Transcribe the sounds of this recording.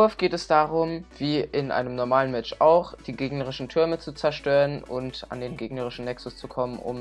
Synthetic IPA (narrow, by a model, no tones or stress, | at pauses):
ʊɐfɡ̥eːtɛsd̥aːʁʊmv̥iːʔɪnʔa̰ɪnəmnɔɐmaːlənmɛt͡ʃa̰ʊxd̥iːɡeːɡnəʁɪʃn̩tʰʏɐmət͡sut͡sɛɐʃtøːʁənʊ̰nta̰ndeːnɡeːɡnəʁɪʃn̩nɛksʊst͡sukʰɔmənʔʊ̰m